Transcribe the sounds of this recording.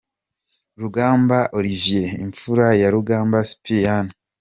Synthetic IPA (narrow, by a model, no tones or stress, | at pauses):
ɾuɡaːmbaʔoɾivje̞ḭɱfuɾajaɾuɡaːmbasi̥pʰijan